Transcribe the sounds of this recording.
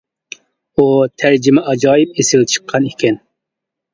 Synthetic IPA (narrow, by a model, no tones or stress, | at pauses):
ut̪ʰæɾd͡ʒɪmɛʔɑd͡ʒɑːjɪp̚esɪlt͡ʃʰə̥qʰːɑnikʲʰɛn